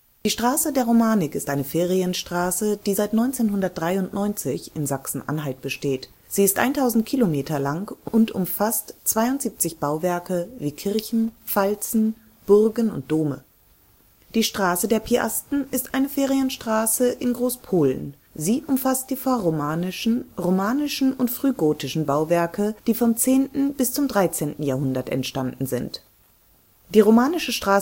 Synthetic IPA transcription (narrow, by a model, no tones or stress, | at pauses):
d̥iːʃtʁ̥aːsədeːɐʁomaːnɪkɪstʔaɪnəfeːʁiənʃtʁ̥aːsəd̥iːzaɪtnɔʏnt͡seːnɦʊndɐt̚d̥ʁaɪʊntnɔʏnt͡sɪçɪnzaksn̩ʔa̰nɦalt̚b̥əʃteːt | z̥iːɪstʔa̰ɪntʰaʊzn̩tkʰilomeːtʰɐlaŋʔʊntʔʊ̰mfastt͡sv̥aɪʊntz̥iːp̚t͡sɪçb̥aʊvɛɐkəviːkʰɪɐçn̩falt͡sn̩ | b̥ʊʁɡənʊ̰nt̚d̥oːmə̰ | d̥iːʃtʁ̥aːsədeːɐpʰiʔa̰stn̩ɪstʔaɪnəfeːʁiənʃtʁ̥aːsəʔɪnɡʁoːspʰoːlə̰n | ziːʔʊmfast̚d̥iːfɔɐʁomaːnɪʃn̩ʁomaːnɪʃn̩ʊntfʁ̥yːɡoːtɪʃn̩baʊvɛɐkəd̥iːfɔmt͡seːntn̩bɪst͡sʊmdʁaɪt͡seːntn̩jaːɐɦʊndɐtɛ̰ntʃtandn̩zɪ̰nt | d̥iːʁomaːnɪʃəʃtʁ̥aː